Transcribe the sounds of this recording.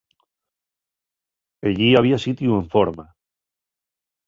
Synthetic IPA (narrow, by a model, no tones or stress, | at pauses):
eʎiaβ̞iasit̪jueɱfoɾma